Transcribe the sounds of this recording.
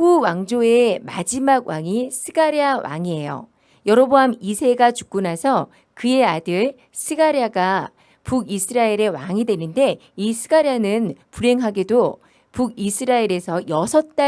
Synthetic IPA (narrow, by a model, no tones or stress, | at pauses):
ɸuwaŋd͡ʑoe̞mad͡ʑimaɡwaŋisʰɯɡaɾiawa̰ŋie̞jo̰ | jʌɾʌboamisʰe̞ɡat͡ɕu̥k̚k͈unasʰʌ | kɯe̞adɯɭ | sʰɯɡaɾiaɡa | puɡisʰɯɾaiɾe̞waŋidwe̞nɯnde̞isʰɯɡaɾanɯnpuɾe̞ŋɦaɡedo | puɡisʰɯɾaiɾe̞sʰʌjʌsʰʌt̚t͈a